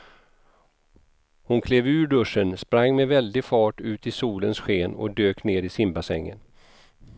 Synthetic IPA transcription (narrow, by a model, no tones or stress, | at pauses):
hʊnkʰleːvʉ̟ːɖɵʂənspɾaŋːmɛvɛld̪ɪfɑːʈʉ̟ːt̪ɪsuːlənsɧeːnɔ̰d̪øːkneːɾɪsɪmbasɛ̰ŋːə̰n